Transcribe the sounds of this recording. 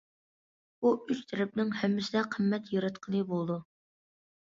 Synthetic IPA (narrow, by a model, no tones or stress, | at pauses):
buyt͡ʃt̪ʰɛɾɪp̚nɪŋhɛmːɪsɪd̪ɛqʰəmːɛt̪jøɾɛt̪qʰəlˠɨbolˠd̪u